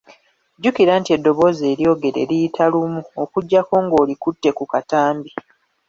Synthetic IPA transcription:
ɟukiɾaːntie̞dːo̞βo̞ze̞ːɾjo̞ːɡe̞ɾe̞̰lijitʰalumuokuɟːako̞ːŋɡo̞ːlikutːe̞kukataːmbi

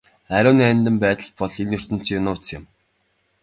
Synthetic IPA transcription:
æɾʲʊːniænʲt̪ɘ̆mpæːt̪ə̆ɮpɔɮenːɵr̥t̪ɘ̆n̥t͡ɕʰijʊnʊːt͡sɪ̆m

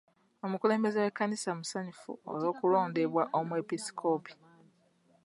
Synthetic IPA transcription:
o̞mukule̞ːmbe̞zewe̞kːanisamusaɲufṵo̰lo̞ːkulo̞ːnde̞βwaʔomwepisi̥kʰo̞ːpi̥

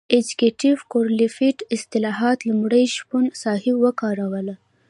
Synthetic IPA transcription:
ed͡ʒikeʈivkoɾlifiʈɪst̪ɪlɑɦɑt̪lamɽəjʃpunsɑhiwəkɑɾawəla

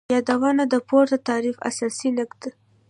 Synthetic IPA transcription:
jɑd̪awɑnad̪əpoɾd̪ət̪ɑɾifa̰sɑsinɪkd̪a

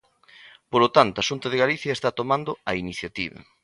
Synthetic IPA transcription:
polot̪ant̪ʊaʃunt̪ɐðeɣaliθjɐest̪at̪omand̪ʊɐiniθjat̪iβɐ̰

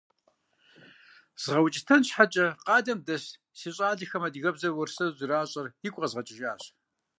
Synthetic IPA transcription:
z̥ʁɐwt͡ʃʼɪtʰɐnɕħat͡ʃʼɐqɑːdɐmdɐɕ | siɕʼaːɮixɐmɐdɣɐbzɐrwʊrsɐzɪraːɕʼɐrjɪkʷʼɐzʁɐt͡ʃʼɪʒaːɕ

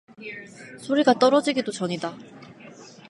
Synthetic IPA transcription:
sʰoɾiɡat͈ʌɾʌd͡ʑiɡidot͡ɕʌɲida

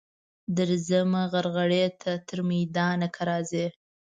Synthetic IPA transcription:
d̪əɾzəmaɣaɾɣaɽet̪ʰat̪əɾmajd̪ɑnakʰaɾɑze

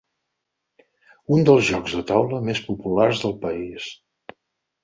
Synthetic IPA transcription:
und̪əlˠzʒɔɡzðət̪awləmespupularzðəlˠpəis

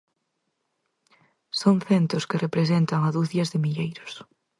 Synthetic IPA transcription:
soŋθent̪ɾʊskɪrepɾesent̪ɐŋaðuθjɐzðɪmiʎejɾʊs

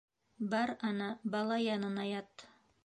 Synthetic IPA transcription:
bɑɾɑnɑbɑlˠɑjɑnɤ̆nɑjɑt̪ː

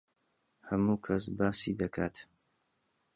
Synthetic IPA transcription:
hɐmuːkʰɐsbaːsid̪ɐkʰaːt̪

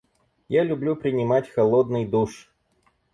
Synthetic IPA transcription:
jalʲʊblʲupɾʲɪnʲɪmatʲxɐlˠod̪nɨjd̪uʂ

